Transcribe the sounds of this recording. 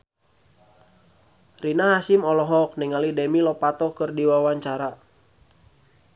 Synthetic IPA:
rinaɦasimɔlɔɦɔk̚niŋalidɛmilɔpat̪ɔkɨrdiwawaɲt͡ʃaɾa

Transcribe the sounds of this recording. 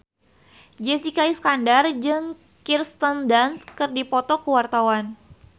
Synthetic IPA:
d͡ʒɛsikaisə̥kandard͡ʒɨŋ | kirst̪əndanskɨrdipɔt̪ɔkəwart̪awan

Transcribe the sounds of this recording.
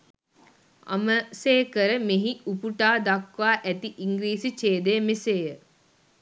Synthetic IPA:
a̰məseːkəɾəmeɦiupuʈaːd̪akʋaːʔæt̪iʔiŋɡɾiːsit͡ʃeːd̪ejəmeseːjə

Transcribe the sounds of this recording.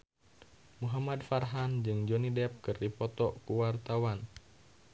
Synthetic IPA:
muɦamad̪farɦand͡ʒɨŋd͡ʒɔnidɛp̚kɨrdipɔt̪ɔkuwart̪awan

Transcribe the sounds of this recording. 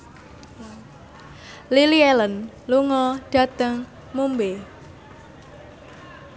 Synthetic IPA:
liliɛlən | luŋɔɖ̥ä̤t̪əŋ | mumbe

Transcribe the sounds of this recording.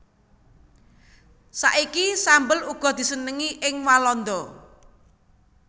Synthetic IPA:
sa̰ʔikisambəluɡ̥ɔ̤d̪̥i̤sənəŋiʔɪŋwalɔnd̪ɔ

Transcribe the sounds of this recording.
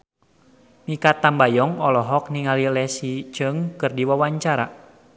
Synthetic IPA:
mikat̪ambajɔŋɔlɔɦɔk̚niŋalilɛsit͡ʃɨŋkɨrdiwawaɲt͡ʃaɾa

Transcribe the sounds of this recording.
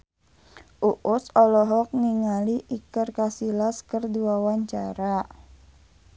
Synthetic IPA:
ʔuʔʊsɔlɔɦɔk̚niŋaliʔikərkasilaskərduawaɲt͡ʃaɾa

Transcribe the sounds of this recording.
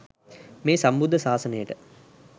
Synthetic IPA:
meːsambud̪ʱːəsaːsənəjəʈə

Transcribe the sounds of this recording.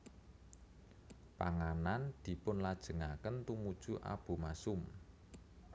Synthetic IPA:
pa̰ŋanand̪̥i̤pʊnlad̥ʒ̥ə̤ŋakənt̪umud̥ʒ̥ṳʔa̰b̥ṳmasʊm

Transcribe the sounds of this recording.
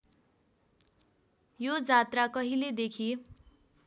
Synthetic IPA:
jod͡zat̪rakʌɦiled̪ekʰi

